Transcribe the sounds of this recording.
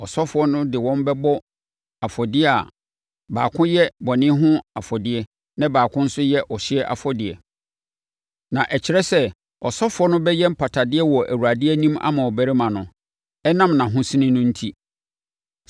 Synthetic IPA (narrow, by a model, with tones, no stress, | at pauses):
ɔ˨sɔ˦fʊ˨ɔ˦nʊ̃˦dɪ˨wɔ̃˦mbɛ˦bɔ˦ | a˨fɔ˨dɪ˦ɛ˦a̰˨ | baː˨kʰʊ̃˦jɛ˦bɔ˨nɪ̃˦ɦʊ̃˦a˨fɔ˨dɪ˦ɛ˦ | nã˦baː˨kʰʊ̃˦n̩˦sʊ˦jɛ˦ʔɔ˨ɕɪ˦ɛ˦ʔa̰˨fɔ˦dɪ˨ɛ˨ | nã˨ʔɛ˨t͡ɕʰɪ˨ɾɛ˦sɛ˦ | ɔ˨sɔ˦fʊ˨˦ɔ˦nʊ̃˦bɛ˦jɛ˦m̩˦pʰa˨tʰa˨dɪ˦ɛ˦wɔ˨ʔæ̰˨wu˨ɾa˨dɪ˦ɛ˦nĩ˦ma̰˦mã˨ɔ˨bæ˦ɾe˦mã˨nʊ̃˨ | ɛ˦nã˦mnã˨ɦʊ̃˦sĩ˦nɪ̃˦nʊ̃˦n̩˦tʰi˦